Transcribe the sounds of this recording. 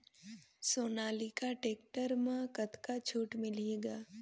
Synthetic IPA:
soːnaːlikaʈeːkʈəɾmãkət̪kat͡ʃʰuːʈmɪleːɡaː

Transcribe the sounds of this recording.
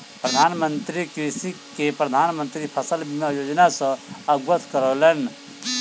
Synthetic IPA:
pɾəd̪ʱanmənt̪ɾikɾisikepɾəd̪ʱanmə̃nt̪ɾipʰəsəlbimejod͡ʒnasə̃əɡwət̪ʰkəɾɔlɛn

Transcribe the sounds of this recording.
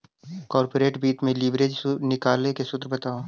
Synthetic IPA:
kɔːɾpoːɾeːʈbiːt̪mẽliːbɾeːd͡ʒnɪkaːlekesʊt̪ɾəbɐt̪aːoː

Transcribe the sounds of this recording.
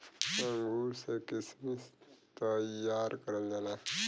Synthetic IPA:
ẽŋɡusekɪsmit̪əjaːɾkəɾəld͡ʒana

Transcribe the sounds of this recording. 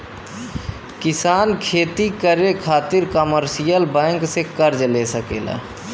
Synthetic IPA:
kɪsaːnkʰeːt̪ikəɾekʰaːt̪ɪɾkəməɾsijəlbɛ̃ːŋksekəɾd͡ʒlesəkḛːla̰

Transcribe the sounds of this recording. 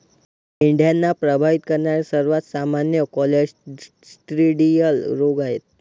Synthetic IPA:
ɪɳɖjanːapɾəbʱaʋit̪kəɾnaɾisəɾuʋat̪samanjəkɔled͡ʒ | sʈɾiɖijəlɾoɡajet̪̚

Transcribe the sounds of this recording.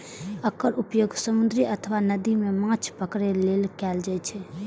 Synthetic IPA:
əkːəɾʔupjoɡsəmund̪ʱɾiʔət̪ʰəwanəd̪imemaŋt͡ɕʰpəkɾelelkald͡ʑajt͡ʃʰe

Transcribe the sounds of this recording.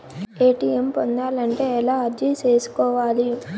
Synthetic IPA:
eːʈiːjempond̪aːlɐɳʈe̞ːɛlaːɐɾd͡ʒit͡ʃe̞ːsu̥kɔːʋaːli

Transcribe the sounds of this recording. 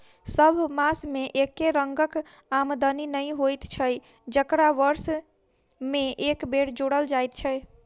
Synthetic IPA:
səbʱmasmeʔekːeɾəŋɡək | amd̪əninəjɦojt̪t͡ʃʰəj | d͡ʒəkɾaʋəɾs | meʔekbeɽd͡ʒoɽəld͡ʒajt̪t͡ʃʰə

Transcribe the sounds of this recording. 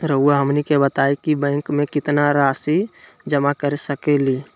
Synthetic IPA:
ɾəɦuaɦəmnikebət̪aikibə̃ɪŋkmekɪt̪naɾasi | d͡ʒəmakəɾesəkɛli

